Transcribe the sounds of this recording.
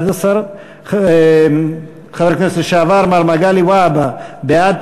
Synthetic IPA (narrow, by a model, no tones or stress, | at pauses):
d̪asaɾ | χavekneseʃeaːvaɾmaɾmaɡaliwababead̪̚